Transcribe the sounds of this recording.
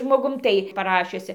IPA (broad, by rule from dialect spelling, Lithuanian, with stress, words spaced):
ʒmoːˈɡʊm ˈtɐɪ pɐˈrɑːʃʲʊsʲɪ